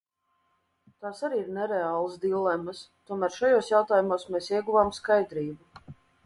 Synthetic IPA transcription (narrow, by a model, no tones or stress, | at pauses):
t̪aːsaɾiːiɾnɛɾɛaːlˠsd̪ilˠɛmːəst̪uɔmæːɾʃajoːsjawt̪aːjumoɔsmeːsiɛɡuvaːmskajd̪ɾiːbu